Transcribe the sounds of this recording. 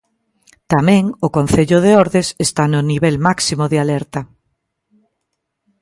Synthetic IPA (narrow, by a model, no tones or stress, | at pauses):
t̪amɛ̃ŋʊkon̟θeʎʊð̞eoɾðesest̪anʊniβɛlmaksimoðealɛɾt̪ɐ